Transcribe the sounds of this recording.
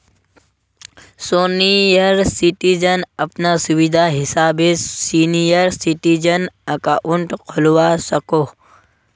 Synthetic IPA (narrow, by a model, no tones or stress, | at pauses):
soːnijəɾsiʈid͡ʒənɐpnasʊʋid̪ʱaɦɪsaːbesiːnijəɾsiʈid͡ʒənəkaʔʊɳʈkʰʊlʋasɐkoː